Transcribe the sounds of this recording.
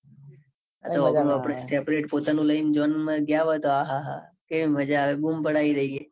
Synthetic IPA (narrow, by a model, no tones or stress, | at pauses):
a̰t̪oaːɳ̃ũapɽesʈɾepɾeʈpot̪anũləind͡ʒʋənmə̃ɡjaʋət̪oaɦaɦa̰keʋiməd͡ʒaːʋebumpəɽaid̪əie